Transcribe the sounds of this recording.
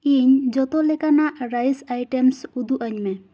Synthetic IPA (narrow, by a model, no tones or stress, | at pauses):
iɲd͡ʒɔt̪olɛkanaʔɾajsajʈemsud̪uʔəɲmɛ